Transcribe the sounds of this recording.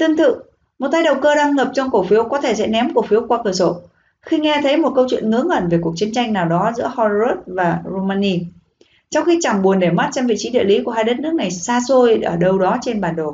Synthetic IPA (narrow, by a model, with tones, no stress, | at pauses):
t̪ɨ˧əŋt̪ɨ̰˧˨ | mo˨˩t̚t̪aː˧jɗə˨˩wkəː˧ɗa˧ŋŋə˨˩p̚t͡ɕɔ˧ŋ͡mkə˧˩fi˨˦wkɔ˨˦t̪ʰe˧˩sɛ̰˧˥nɛ˨˦mkfi˨˦əwkwaː˧kəː˧˩so˧˩ | xi˧ŋɛ˧t̪ʰə˨˦jmo˨˩t̚kə˧wt͡ɕwḭ˧˨ənŋɨ˨˦əŋʔə˧˩nve˨˩ku˨˩ək̚t͡ɕi˨˦nt͡ɕa˧jŋnaː˨˩wɗɔ˨˦zɨ̰˧˥əhɔ˧o˦˥t̚vaː˨˩zo˧maː˧ni˧ | t͡ɕɔ˧wŋ͡mxi˧t͡ɕa˧˩ŋɓu˨˩ənɗe˧˩ma˦˥t̚t͡ɕɔ˧mvḭ˧˨t͡ɕi˨˦ɗḭ˧˨li˨˦ku˧˩əɦaː˧jɗə˦˥t̚nɨ˦˥ək̚ŋa˨˩jsaː˧so˧jʔəː˧˩ɗə˧wɗɔ˨˦t͡ɕe˧nɓaː˨˩nɗo˨˩